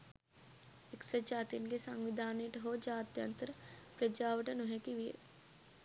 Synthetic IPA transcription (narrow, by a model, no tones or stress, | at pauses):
eksəd͡ʒaːt̪inɡesɐŋɡʋid̪ʱaːneʈɦod͡ʒaːt̪jɐ̰nt̪əɾpɾəd͡ʒaːʋəʈənoɦekiʋiḛ